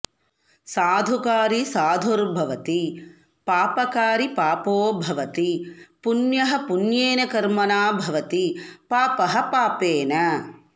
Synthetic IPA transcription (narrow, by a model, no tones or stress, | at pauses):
saːd̪ʱukaːɾisaːd̪ʱuɾbʱɐʋɐt̪i | paːpɐkaːɾipaːpoːbʱɐʋɐt̪ipunjɐɦɐ̆punjeːnɐkɐɾmɐnaːbʱɐʋɐt̪ipaːpɐɦɐ̆paːpeːnɐ